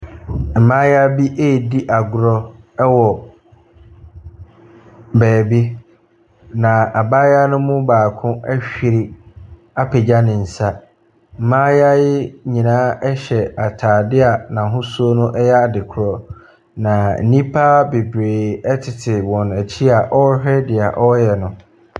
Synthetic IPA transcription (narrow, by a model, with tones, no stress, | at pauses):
m̩˨mãː˦ja˦bi˦ʔe˦˨di˦ʔa˨ɡʊ˨ɾɔ˦ | ɛ˦wɔ˨ | bɛː˨bi˦ | nã˨ʔa˨baː˦ja˦nʊ̃˦mʊ̃˦baː˨kʰʊ̃˦ʔɛ˦ɕᶣi˨ɾi˨ | a˦pʰe˨d͡ʑa˦nɪ̃˨n̩˨sa˦ | m̩˦mãː˦ja˦jɪ˦ɲĩ˨nãː˦ɛ˦ɕɛ˨a˨tʰaː˨dɪ˦a˨nã˨ɦʊ̃˦su˦o˦nʊ̃˦ʔɛ˦jɛ˦a˨dɪ˨kʰʊ˨ɾɔ˦ | nã˨n̩˨nĩ˦pʰa˦be˨bɾeː˨ɛ˦tʰɪ˨tʰɪ˨wɔ̃˨næ˨t͡ɕʰi˦a˨ʔɔ˦ɦᶣɛ˦dɪ˨a˨ʔɔ˦jɛ˨nʊ̃˦